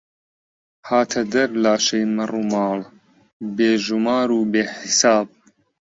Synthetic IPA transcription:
haːt̪ʰɐd̪ɐɾlaːʃɐjmɐruːmɑːl | beːʒumaːɾuːbeːħɪsaːb̚

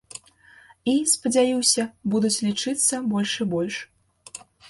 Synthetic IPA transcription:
ispɐd͡zʲajiwsʲɐbud̪ut͡sʲlʲit͡ʂɨt̪sːɐbɔlʲʂɨbɔlʲʂ

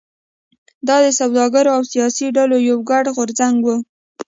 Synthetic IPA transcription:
d̪ɑd̪əsawd̪ɑɡaɾoawsijɑsiɖalojawɡaɽɣʊɾzaŋɡwu

